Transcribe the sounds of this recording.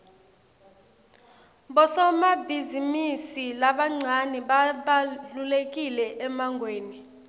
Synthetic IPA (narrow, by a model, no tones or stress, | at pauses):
ɓɔsɔmabʱizimisilaɓaŋ͡ǀʱaniɓaɓalulek̬ʼilɛʔɛmaŋɡʱweːni